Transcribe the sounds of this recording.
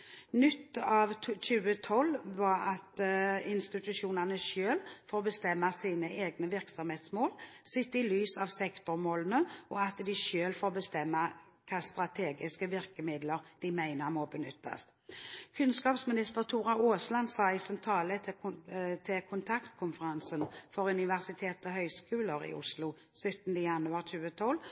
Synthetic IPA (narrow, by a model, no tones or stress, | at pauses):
nʏt̪ːɑːʋc͡çʉːət̪ʰɔlːʋɑɾɑt̪ɪnst̪ɪt̪ʉʃuːnɑnəʃøːlfoːʁbəst̪ɛmːɑsiːnəeːɡnəʋɪʁksɔmheːt̪smoːlsɪt̪ːəɪlyːsɑʋsɛkt̪ʊɾmoːlənəʔɔɑt̪d̪ɪʃøːlfoːʁbəst̪ɛmːɑ | kʰɑːst̪ʁɑt̪ʰeːɡɪskəʋɪʁkəmɪd̪ləʁd̪̥ɪmæɪnəʁmɔbənʏt̪ːɑ̰st̪ | kʰʉnskɑːpsmɪnɪst̪əʁt̪ʰuːʁɑoːslɑnsɑːɪsɛnt̪ʰɾɑːlət̪ʰɪt̪ʰɪlkʰʊnt̪ʰɑkt̪kʰʊnfəɾɑnsənfɔɾʉnɪʋæʁsɪt̪ʰeːt̪ɔhœʏskʉːləɾɪ̰ʔʊ̰slʊ | sœt̪nd̪əjɑnʉɑʁt͡ʃʉːət̪ʰɔlː